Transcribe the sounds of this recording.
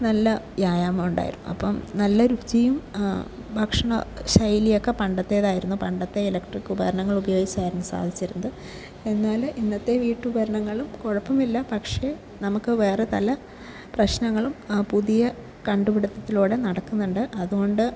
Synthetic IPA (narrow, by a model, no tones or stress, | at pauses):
nɐlːɐʋjaːjaːmɐmuɳɖa̰ːjḭɾunːṵɐ̰pːɐmnɐlːɐɾut͡ɕijum | bʱɐkʂɐɳɐɕɐjlijo̞kːe̞pɐɳɖɐt̪ːe̞ːðaːjiɾunːupɐɳɖɐt̪ːe̞ilɐkʈrikːubɐɾɐɳɐŋːɐɭubɐjo̞ːɡit͡ɕːɐʋaːɾɐnːɐsa̰ːd̪ʱit͡ɕːiɾunːɐðɨ | enːaːlʔinːɐt̪ːe̞ʋiːʈːubɐɾɐɳɐŋːɐɭumkoɻɐpːɐmilːɐpɐkʂe̞ | nɐmukːɨʋe̞ːre̞t̪ɐlɐ | prɐɕnɐŋːɐɭumpuðijɐ | kɐɳɖupiɽɐt̪ːɐt̪ːiloːɽe̞nɐɽɐkːunːuɳɖɨʔɐðuɣo̞ɳɖɨ